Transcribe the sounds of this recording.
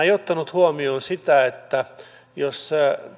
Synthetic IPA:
eiot̪ːɑnut̪huomioːnsit̪æet̪ːæ | jos

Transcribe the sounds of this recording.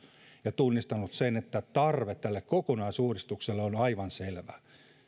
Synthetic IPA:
jɑt̪unːist̪ɑnut̪senet̪ːæt̪ɑrʋet̪t̪ælːekkokonɑisuːrist̪ukselːeonɑiʋɑnselʋæ

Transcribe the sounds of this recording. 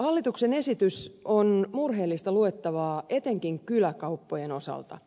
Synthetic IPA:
hɑlːit̪uksene̞sit̪ysonmurɦe̞ːlːist̪ɑlue̞t̪ːɑʋɑːʔe̞t̪e̞ŋkiŋkylækɑupːojeno̞sɑ̰lt̪ɑ̰

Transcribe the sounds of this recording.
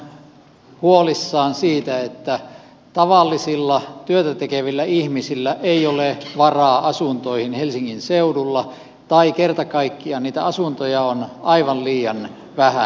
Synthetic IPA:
huolisːɑːnsiːt̪æet̪ːæ | t̪ɑʋɑlːisilːɑt̪yøt̪æt̪ekeʋilːæihmisilːæʔeioleʋɑrɑːʔɑsunt̪oihinhelsiŋːinseudulːɑ | t̪ɑikert̪ɑkɑikːiɑniːt̪æ̰ɑsunt̪ojɑonɑiʋɑlliːjɑn | ʋæhæ

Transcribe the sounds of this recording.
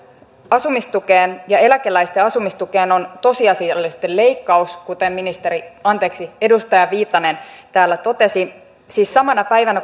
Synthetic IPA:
ɑsumist̪uke̞ːnjɑe̞lækelæist̪eɑsumist̪uke̞ːno̞nt̪o̞siɑsiɑlːist̪elle̞ikːɑuskut̪emːinist̪e̞ɾiɑnt̪e̞ːksie̞dust̪ɑjɑʋiːt̪ːˑɑne̞nt̪æːlːæt̪o̞t̪e̞si | siːsːɑmɑnɑpæiʋænæ

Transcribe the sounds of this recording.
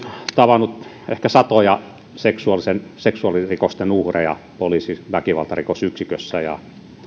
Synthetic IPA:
t̪ɑʋɑnːut̪ | ehkæsɑt̪ojɑ | seksuɑlisenseksuɑlirikost̪enuhrejɑ̰ | poliːsiʋækiʋɑ̰lt̪ɑrikosyksikøsːæjɑ̰

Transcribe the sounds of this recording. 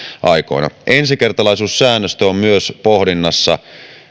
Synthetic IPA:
ʔɑiko̞̰inɑ̰ʔensikert̪ɑlɑisuːsːæːnːøst̪øommyøspohdinːɑsːɑ̰

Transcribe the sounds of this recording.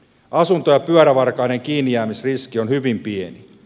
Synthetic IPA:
ɑsunt̪ojɑpyœɾæʋɑrkɑineŋk̟iːnːijæːmisriskionhyʋimpieni

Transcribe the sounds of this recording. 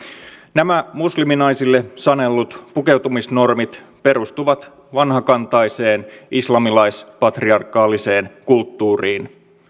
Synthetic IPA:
næmæmusliminɑjsilːe̞sɑne̞lːut̪puke̞wt̪umisno̞rmit̪ | pe̞ɾust̪uʋɑt̪ | ʋɑnɦɑkɑnt̪ɑjse̞ːnislɑmilɑjspɑt̪riɑrkːɑːlːise̞ːnkult̪ːuːriːn

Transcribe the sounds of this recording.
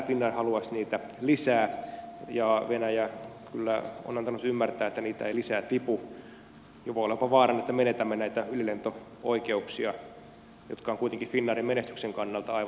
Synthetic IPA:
finːɑrhɑluɑsniːt̪æ | lisæːjɑʋenæjækylːæo̰nɑnt̪ɑnːut̪ymːært̪æːet̪ːæniːt̪æ̰eilisæːt̪ipu | joʋolepɑʋɑːrɑnːet̪ːæmenet̪æmːenæit̪æylilent̪o | oikeuksiɑ | jot̪kɑoŋkuit̪eŋkifinːɑːrimmenest̪ykseŋkɑnːɑlt̪ɑɑiʋɑ

